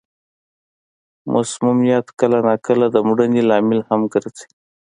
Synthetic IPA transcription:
mʔo̰smumjɑt̪kəlanakəlad̪əmɽənilɑːmɪlhamkəɾit͡si̥

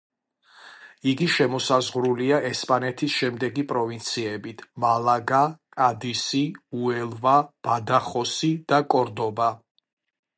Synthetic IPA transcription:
iɡiʃɛmɔsazʁɾuliaʔɛspʼanɛt̪ʰisʃɛmd̪ɛɡipʼɾɔvint̪sʰiɛbit̪ʰmalˠaɡakʼad̪isiuɛlˠvab̥ad̪aχɔsid̪̥akʼɔɾd̪ɔba

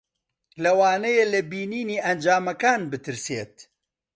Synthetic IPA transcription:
lɐwaːnɐjelɐbiːniːniːʔɐnd͡ʒaːmɐkaːnbɨt̪ɨɾseːt̪̚

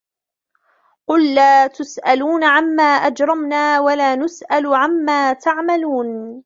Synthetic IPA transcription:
qʊlːaːt̪ʊsʔaluːnaʕamːaːʔad͡ʒɾˤɑmnaːwalaːnʊsʔalʕamːaːt̪aʕmaluːn

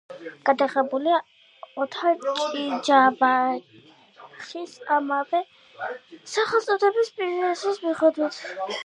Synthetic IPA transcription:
ɡ̥ad̪aχɛbulia | ɔt̪ʰat͡ʃʼid͡ʒaba | χisamavɛ | saχɛlˠt̪sʼɔd̪ʰɛbispʼiɾnɛsismiχɔd̪wit̪ʰ

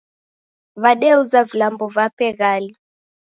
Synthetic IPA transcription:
βaɗɛuzavilambɔvapɛɣali

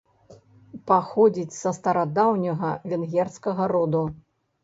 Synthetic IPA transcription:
paxɔd͡zʲit͡sʲsɐst̪ɐɾad̪awnʲɐɣɐvʲɛnɣʲɛrskɐɣɐɾɔd̪u

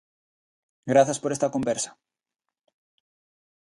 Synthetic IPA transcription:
ɡɾaθaspoɾest̪ɐkombeɾsḁ

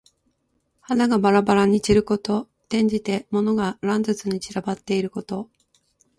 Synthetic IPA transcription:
hanaɡabaɾabaɾaɲ̟it͡ɕiɾɯ̟ko̞t̪o̞ | t̪ẽ̞ɲ̟d͡ʑit̪e̞mo̞no̞ɡaɾãnd͡zɨt͡sɨɲ̟it͡ɕiɾabat̪ːe̞iɾɯ̟ko̞t̪o̞

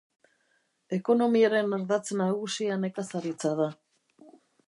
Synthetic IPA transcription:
e̞ko̞no̞miaɾe̞naɾðat͡snaɣusiane̞kasaɾit͡sað̞a

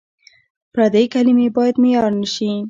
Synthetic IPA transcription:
pɾad̪ekalimebɑjad̪mɪjɑɾnəʃi

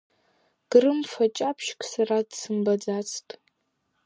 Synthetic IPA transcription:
ɡ̥rɨmfat͡ʃʼapʰʃkʼsaradsɨmbad͡zat͡sʰtʼ

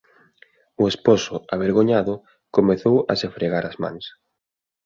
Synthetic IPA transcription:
ʊesposʊaβeɾɣoɲaðʊ | komeθowɐ̰sefɾeɣaɾazmã̰ŋs

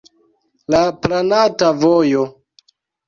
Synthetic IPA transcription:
laplanatavojo

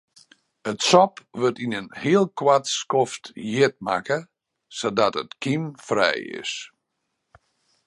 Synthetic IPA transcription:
ətsɔpʋørtinənhiəlˠkwatskɔftjɪt̚ma̰kə | sodatə̰tkʰimfrɛ̰jɪ̰s

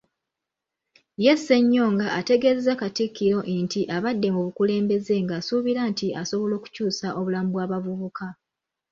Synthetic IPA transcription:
je̞se̞ɲːo̞ːŋɡaʔate̞ɡe̞ːzezakatikʰːiɾo̞ʔintiʔaβadːe̞muβukule̞ːmbe̞ze̞ŋɡaːsuβiɾantiʔaso̞βo̞lo̞ːku̥cuːsaʔo̞βulaːmubwaːβavuβuka

